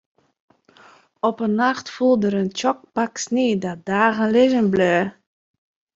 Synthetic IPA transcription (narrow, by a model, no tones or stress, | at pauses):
ɔpənːɑχtfulˠdəɾənt͡ʃɔk̚pɑksneːdɑdaːɣənlɪzənbløː